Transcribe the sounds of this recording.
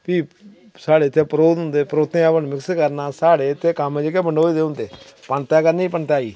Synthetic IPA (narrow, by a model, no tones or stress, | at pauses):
piː | saːɽeːɪt̪ʰːeːpəɾoːt̪ɦʊ̃nd̪eːpəɾoːt̪ːẽːapəɳmɪkskəɾnaːsaːɽeːɪt̪ʰːeːkəmẽːd͡ʒeːkeːbəɳɖoːid̪eːʊ̃nd̪eːpəɳt̪aːkəɾneiːpəɳt̪aːḭː